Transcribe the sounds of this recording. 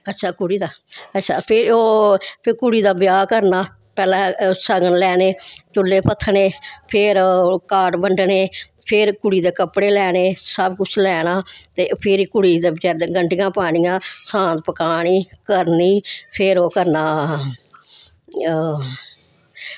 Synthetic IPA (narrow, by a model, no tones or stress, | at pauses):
ətːʃʰaːkʊɽiːd̪aːətːʃʰaːpʰɪɾoːpʰɪɾkʊɽiːd̪aːbjaːkəɾnaː | pɛːlãːsəɡənlɛːneːt͡ʃʊlːeːpət̪ʰːɳeːpʰɪɾkaːɖbəɳɖneːpʰɪɾkʊɽiːd̪eːkəpɽeːlɛːneːsəbkʊt͡ʃʰlɛːnaːt̪eːpʰɪɾiːkʊɽiːd̪eːbt͡ʃɛːɡəɳʈɪjãːpaːɽ̃ijãːsãːd̪pəkaːɽ̃iːkəɾniːpʰɪɾoːkəɾnaː